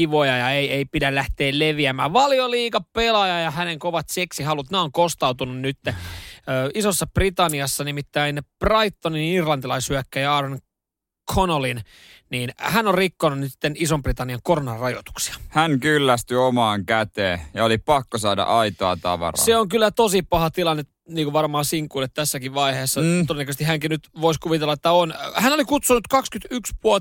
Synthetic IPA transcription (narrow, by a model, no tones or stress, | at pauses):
iʋojɑjɑeieipidælæht̪eːlleʋiæmæ̰ːʋɑljoliːkɑpelɑjɑjɑhæneŋkoʋɑt̪seksihɑlut̪neoŋkost̪ɑut̪ununnyt̪ːeøːisosːɑb̥rit̪ɑniɑsːɑnimit̪ːæinprɑit̪ːoninirlɑnt̪ilɑisyækːæjɑɑːɾon | kʰonolin | niːnhænorikːonunnisi̥t̪ːenisomprit̪ɑnːiɑŋkoronɑrrɑjot̪u̥ksi̥ɑ̥hæŋkylːæst̪yomɑːŋkæt̪eːjɑolipɑkːosɑːdɑ̰ʔɑit̪oɑt̪ɑ̰ʋɑ̰rɑ̰seoŋkylːæt̪osipɑhɑt̪ilɑnːe | niːkuʋʋɑrmɑːsiŋkuːlːet̪t̪ːæsːækiʋʋɑiheːsːɑodenːækøsest̪ihæŋkinyt̪ʋoiskuʋit̪elːɑet̪ːæonhænolikut̪sunut̪kɑkskyt̪ykspuo